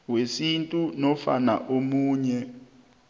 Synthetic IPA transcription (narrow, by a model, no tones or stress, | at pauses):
wesintʼunɔfa̰na̰ʔomuːɲɛ